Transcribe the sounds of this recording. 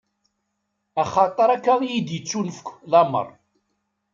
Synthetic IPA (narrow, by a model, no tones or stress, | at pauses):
æχɑt̪ˤəɾˤakːaʁjid̪jit͡ʃːunfkʷːlɑmə̰rˤ